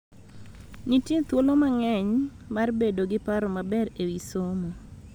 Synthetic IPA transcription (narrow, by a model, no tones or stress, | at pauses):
nitet̪wolomaŋɛɲ | marbedoɡɪpaɾomabɛɾewisomo